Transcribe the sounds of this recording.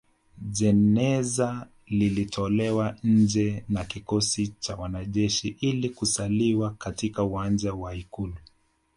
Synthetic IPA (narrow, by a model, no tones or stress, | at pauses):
ʄɛnɛza | lilitʰɔlɛwaɲ̩d͡ʒɛnakikɔsit͡ʃawanaʄɛʃiʔilikusaliwakatikauwand͡ʒawaikulu